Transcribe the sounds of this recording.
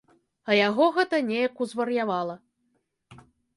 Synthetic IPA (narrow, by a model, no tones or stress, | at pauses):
ɐjaɣɔɣɛt̪ɐnʲɛjɐkuzvɐrjavalˠɐ